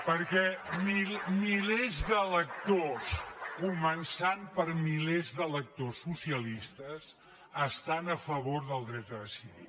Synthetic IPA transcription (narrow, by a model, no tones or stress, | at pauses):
pəɾkɛmimilezðələk̚t̪oskumənsampəɾmilezðələk̚t̪osːusiəlist̪əs | əst̪anəfəβoɾðəlˠd̪ɾɛt̪̚d̪əðəsiβḭl